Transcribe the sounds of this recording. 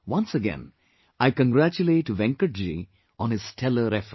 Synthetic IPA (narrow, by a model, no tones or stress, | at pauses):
ʋʌ̃nsəɡɛ̰̃n | aɪkə̃ŋɡɾæt͡ʃuleːʈːuʋɛ̃ŋkəʈ̚d͡ʒi | ɔ̃nɪz̥ʈʰɛləɾɛfɾə̃